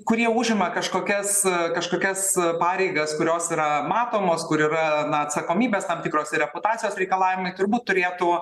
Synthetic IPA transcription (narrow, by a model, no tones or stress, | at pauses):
kʊɾʲiɛuːʒʲɪmɐkɐʃkoːkʲɛskɐʃkoːkʲɛspɑːɾʲɛɪɡɐskʊɾʲoːsiːɾɐmɑːt̪oːmoːskʊɾiːrɐnɐɐt̪sɐkoːmʲiːbʲeːst̪ɐmt̪ʲɪkɾoːsʲɪɾʲɛpʊt̪ɑːtt͡ssʲɪjoːsɾʲɛɪkɐlˠɑːʋʲɪmɐɪt̪ʊrbuːt̪ːʊɾʲeːt̪ʊ